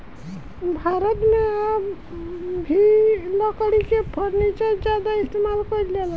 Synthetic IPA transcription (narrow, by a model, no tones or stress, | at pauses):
bʱaɾət̪mea | bʱilɔkɽikepʰɔɾnit͡ʃad͡ʒad̪aist̪emalkɔɾilela